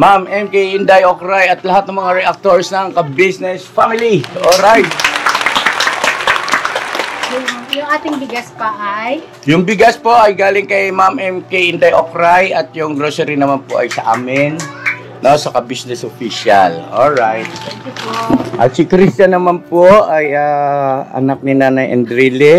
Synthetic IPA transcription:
mamʔɛmkeiʔɪnd̪ajʔokɾajɐt̪̚lɐɦat̪̚nɐŋmɐŋaɾɛʔak̚t̪oɹsnɐŋkɐbisnɛsfamɪliʔoɾajt̪̚ | jʊŋʔaːt̪ɪŋbɪɡaspɐʔaj | jʊŋbɪɡaspo̞ʔɐjɡaːlɪŋkɐjmamʔɛmkɐʔɪnd̪ɐjʔokɾajʔɐt̪̚jʊŋɡɾosɛɾɪnɐmanpoʔɐjsɐʔaːmɪn | nosɐkɐbisnɛsʔofiʃalolɹajt̪̚ɛkpʔɐ̰t̪sɪkɾist͡ʃɐnːɐmanpoʔajaːɐ̰nak̚nɪnaːnɐjʔɛ̰nd̪ɾilɛ

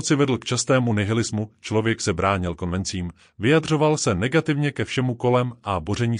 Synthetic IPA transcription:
t͡sɪvɛdl̩kt͡ʃast̪ɛːmunɛɦɪlɪzmut͡ʃlo̞vjɛksɛbɾaːɲɪlko̞nvɛnt͡siːm | vɪjadr̝o̞valsɛnɛɡat̪ɪvɲɛkɛfʃɛmuko̞lɛmʔabo̞rɛɲiː

